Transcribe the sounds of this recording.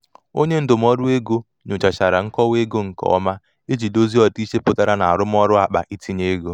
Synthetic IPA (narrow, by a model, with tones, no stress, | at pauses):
o˦ɲe˦n̩˦dʊ˨m̩˦ɔ˦ɾʊ˦e˦ɡo˦ | ɲʊ˨t͡ʃa˨t͡ʃa˨ɾa˨ŋ̩˦kɔ˦we˦ɡo˦ŋ̩˨kɔ̰˨˦ma˦ | e˦d͡ʒi˨do˦zi˦ɔ˨ti˦ʃe˦pʊ˨ta˦ɾa˦na˨a˨ɾʊ˦m˦ɔ˦ɾʊ˦a˨k͡pa̰˨ʔi˦tʰi˦ɲe˦ɡo˦